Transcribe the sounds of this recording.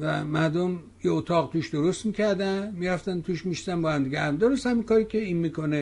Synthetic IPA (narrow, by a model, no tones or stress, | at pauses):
væmæɾd̪om | jeot̪ʰɒːɣt̪ʰuːʃd̪oɾost̪mikʲʰæɾd̪ænmiɾæft̪ænt̪ʰuːʃmiʃzænbɒhæmd̪iɡʲehæmd̪oɾost̪hæmiŋkɒːɾiːkʲʰeinmiːkone